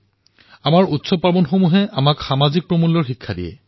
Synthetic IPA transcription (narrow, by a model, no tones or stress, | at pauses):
amaɹutsɔpabɔnxomuɦɛamakxamazik̚pɹomulːɔɹxikʰːadijɛ̰